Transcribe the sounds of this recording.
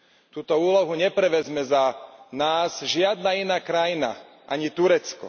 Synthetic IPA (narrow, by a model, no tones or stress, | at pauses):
t̪uːt̪ɔuːlɔɦuɲɛpɾɛʋɛzmɛzanaːz̥ʒɪad̪nainaːkɾajina̰ | ʔaɲit̪uɾɛt͡skɔ̰